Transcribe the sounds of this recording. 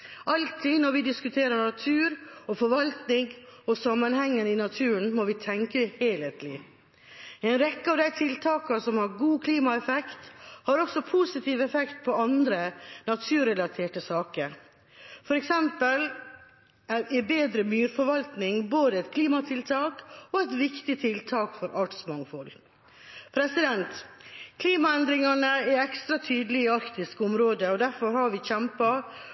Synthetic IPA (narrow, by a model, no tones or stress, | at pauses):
ʔɑlt̪ʰɪnɔɾʋɪd̪ɪskʉt̪ʰeːɾənɑt̪ʰʉːɾɔfɔɾʋɑlt̪nɪŋɔsɑmːənhɛŋːənɪnɑt̪ʰʉːənmɔʋɪt̪ʰɛŋkəheːlət̪lɪ | ɛɪnɾɛkːəɑʋd̪æɪt̪ʰɪlt̪ʰɑːkəsɔmhɑɾɡuːkʰliːmɑɛfɛkt̪hɑɾɔksɔpʰusɪt̪ʰiːʋɛfɛkt̪̚pʰɔɑnd̪ɾənɑt̪ʰʉːɾɛlɑt̪ʰeːʈəsɑːkəɾ | fɔɾɛksɛmpəl | æɪbeːd̪ɾəmyːɾfɔɾʋɑlt̪nɪŋboːd̪əɛɪt̪kʰliːmɑt̪ʰɪlt̪ʰɑːkɔɛt̪ʋɪkt̪ɪt̪ʰɪlt̪ʰɑːkfɔɾʔɑʈsmɑŋfɔl | pʰɾɛsɪd̪ɛnt̪kʰliːmɑɛnd̪ɾɪŋɑnəɛɛkst̪ɾɑt̪ʰyːd̪əlɪɪɑɾkt̪ɪskʊmɾoːd̪əɔd̪æɾfɔɾhɑɾʋɪçɛmpɑ